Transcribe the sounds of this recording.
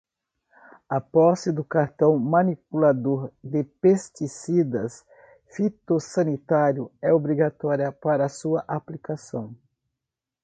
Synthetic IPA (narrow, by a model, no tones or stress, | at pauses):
ɐpɔsɪd̪ʊkaɾt̪ɐ̃w̃mɐ̃nipulad̪oɾd̪ɪpest͡ʃ̪isid̪ɐs | fit̪osɐnit̪aɾjʊɛobɾiɡat̪ɔɾjɐpaɾɐːsuɐʔaplikasɐ̰̃w̃